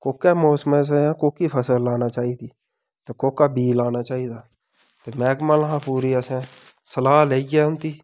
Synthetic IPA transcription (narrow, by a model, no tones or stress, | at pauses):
koːkːɛːmoːsm̃ːs̬jãːkoːkiːpʰəsəlːaːnaːt͡ʃaːiːd̪iː | t̪eːkoːkːaːbiːlaːnaːt͡ʃaːiːd̪aː | t̪eːmɛːkməlɦãːpuːɾiːəsɛ̃ː | səlaːleːiɡɛːʊnt̪iː